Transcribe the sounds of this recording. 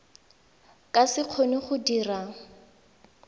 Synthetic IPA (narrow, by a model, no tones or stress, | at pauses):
kʼasɪq͡χʰoniχʊdira